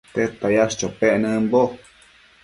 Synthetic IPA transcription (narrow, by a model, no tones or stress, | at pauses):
t̪et̪ajaʂt͡ʃopeʔnə̃mbo